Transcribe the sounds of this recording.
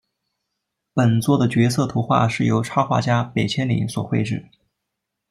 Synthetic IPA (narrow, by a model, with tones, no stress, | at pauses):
pə˨˩nt͡swɔ˥˩d̪ə˩t͡ɕɥɛ˧˥t͡sʰɤ˥˩t̪ʰu˧˥xwa̰˥˧ʂɻ̩˥˩jo˧˥ʊʈ͡ʂʰɑ˥xwa̰˥˩t͡ɕja˥pe˨˩ɪt͡ɕʰjɛ˥nlḭ˧˥ŋswɔ˨˩xwe˥˧ɪʈ͡ʂɻ̩˥˩